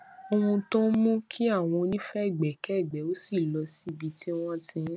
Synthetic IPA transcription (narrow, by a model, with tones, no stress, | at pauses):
o˧ũ˧to˦mũ˦kʰi˦a˦˨w̃ɔ̃˧o˧nĩ˦fɛ˦˨ɡ͡bɛ˨kɛ˦˨ɡ͡bɛ˨˦o˦si˦˨lɔ˧si˦bi˧ti˦w̃ɔ̃˦tĩ˧˦